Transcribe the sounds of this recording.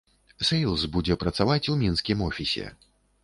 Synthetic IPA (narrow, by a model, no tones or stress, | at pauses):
sejlˠsbud͡zʲɛpɾɐt̪savat͡sʲumʲinskʲimɔfʲisʲɛ̰